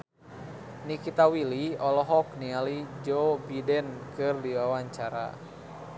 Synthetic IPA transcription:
nikit̪awiliɔlɔɦɔknialid͡ʒobidɛnkɨrdiwawaɲt͡ʃaɾa̰

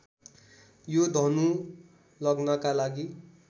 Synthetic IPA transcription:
jod̪ʱʌnu | lʌɡnʌkalaɡi

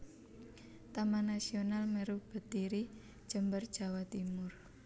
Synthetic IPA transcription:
t̪amanasionalmɛɾub̥ə̤t̪iɾi̥ | ʒ̥ə̤mbərd̥ʒ̥a̤wat̪imʊr

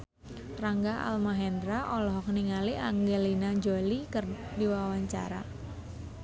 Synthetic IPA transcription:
tɾaŋɡaʔa̰lmaɦɛndɾaʔɔlɔɦɔkniŋaliʔaŋɡelinad͡ʒolikərdiwawaɲt͡ʃa̰ɾa̰

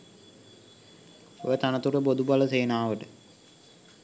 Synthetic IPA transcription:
o̰jət̪anət̪uɾəbod̪ubaləseːnaːʋəʈə

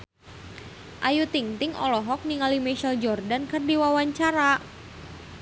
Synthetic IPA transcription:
ʔajut̪iŋt̪ɪŋɔ̰lɔɦɔk̚niŋalimeʃəld͡ʒɔrdankɨrdiwawaɲt͡ʃaɾa

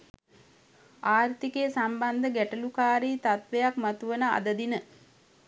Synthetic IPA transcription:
aːrt̪ikeːsamband̪əɡæʈəlukaːɾiːt̪at̪ʋejakmat̪uʋənəa̰d̪əd̪inə

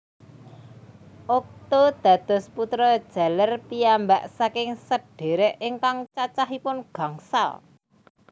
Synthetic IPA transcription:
ʔok̚t̪od̪̥ä̤d̪̥ɔ̤sput̪ɾɔd̥ʒ̥ä̤lərpiamba̰ʔsakɪŋsəɖ̥e̤ɾeʔɪŋkaŋt͡ʃat͡ʃaɦipʊnɡ̥a̤ŋsa̰l

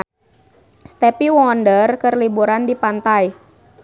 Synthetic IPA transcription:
st̪ɛpiwɔndərkərlibuɾandipant̪aj

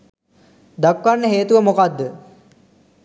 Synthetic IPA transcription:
d̪akʋanːəɦeːt̪uʋəmokad̪ːə

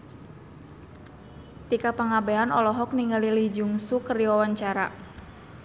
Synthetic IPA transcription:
t̪ikapaŋabeanɔlɔɦɔk̚niŋalilid͡ʒuŋsukəriwawaɲt͡ʃaɾa̰

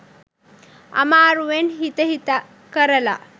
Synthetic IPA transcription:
a̰maːɾuʋenɦit̪əɦit̪a | kəɾəla̰

